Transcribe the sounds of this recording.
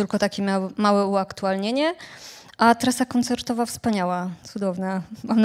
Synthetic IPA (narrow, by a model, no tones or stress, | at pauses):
ɘlkɔt̪akʲimʲawmawɛuakt̪ualɲeɲɛ | ʔat̪ɾasakɔnt̪sɛɾt̪ɔvafspaɲawat̪sud̪ɔvnamamn